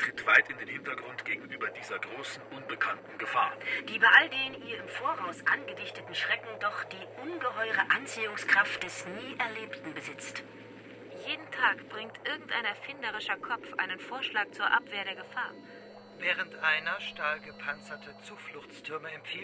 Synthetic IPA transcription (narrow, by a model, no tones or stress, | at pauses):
tʁ̥ɪtv̥aɪtɪndeːnhɪntɐɡʁʊntɡ̥eːɡŋ̩ʔyːbɐdiːzɐɡʁoːsn̩ʔʊnbəkʰantn̩ɡəfa̰ːɐd̥iːbaɪʔaldeːniːɐɪmfoːɐʁaʊsʔanɡədɪçtətn̩ʃʁ̥ɛkŋ̩dɔχd̥iːʔʊnɡəɦɔʏʁəʔant͡siːʊŋskʁ̥aft̚d̥ɛsniːʔɛɐleːptn̩bəzɪt͡st | jeːdn̩tʰaːkb̥ʁɪŋtʔɪɐɡŋ̩tʔaɪnɛɐfɪndəʁ̞ɪʃɐkʰɔpfʔa̰ɪnənfoːɐʃlaːk̚t͡suːɐʔapv̥eːɐɾeːɐɡəfaːɐ | vɛːʁəntʔaɪnɐʃtaːlɡəpʰant͡sɐtʰət͡suːflʊçt͡stʰʏɐməɛmfiː